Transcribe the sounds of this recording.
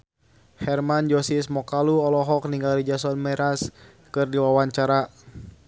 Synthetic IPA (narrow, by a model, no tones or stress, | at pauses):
hɛrmand͡ʒɔsismɔkaluɔlɔɦɔk̚niŋɡalid͡ʒasɔnmɛɾas | kɨrdiwawaɲt͡ʃaɾa